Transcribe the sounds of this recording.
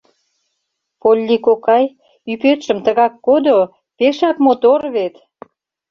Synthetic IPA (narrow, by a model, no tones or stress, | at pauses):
polʲːikokɑj | ypøt̪ʃə̆mt̪əɣɑkːod̪o | peʃɑkmot̪orβet̪